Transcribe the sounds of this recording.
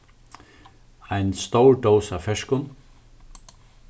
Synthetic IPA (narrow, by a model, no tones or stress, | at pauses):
aɪnst̪owɹɖowsafɛʂkʊn